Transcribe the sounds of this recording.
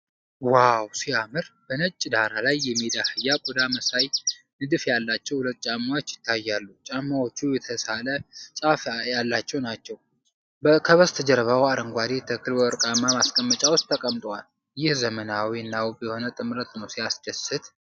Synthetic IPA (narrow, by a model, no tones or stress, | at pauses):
wawsiamɨɾbənət͡ʃʼːd̪aɾalajːɛmid̪ahɨjːakʼɔd̪aməsaj | nɨd̪ɨfjalːat͡ʃːɛwhʊlət̪ʼːt͡ʃʼamːawot͡ʃːjɪt̪ʰːajːalːut͡ʃʼamːawot͡ʃːujɛt̪ʰəsalət͡ʃʼafjalːat͡ʃːɛwnat͡ʃːɛw | bəkʰəβəst̪ʰəd͡ʒɛɾəβawaɾəŋɡʷad̪et̪ʰəkʰɨlbəɨɾkʼamːamaskʼəmːət͡ʃʼawʊst̪ʼt̪ʰːəkʼəmt̪ʼwal | jɪhzəmənawinːawbɛho̞nət̪ʼɨmɾət̪nəwsiasd̪əsɨt̪